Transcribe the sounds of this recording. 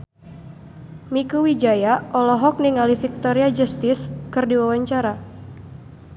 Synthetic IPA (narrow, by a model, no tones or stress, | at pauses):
mikuwid͡ʒajaʔɔlɔɦɔk̚niŋalifik̚t̪ɔɾiad͡ʒust̪ɪskɨrdiwawaɲt͡ʃaɾa